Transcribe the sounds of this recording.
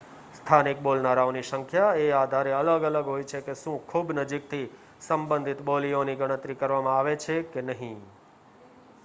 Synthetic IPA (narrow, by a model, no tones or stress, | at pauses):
st̪ʰanik̚bolnaɾaoniʃəŋkʰjaead̪ʱaɾeələɡələɡɦojt͡ʃʰekeʃũkʰubnəd͡ʒik̚t̪ʰi | səmbə̃nd̪ʱit̪bolioniɡʱəɽ̃ə̃t̪ɾikəɾʋamãaʋet͡ʃʰekenəɦĩ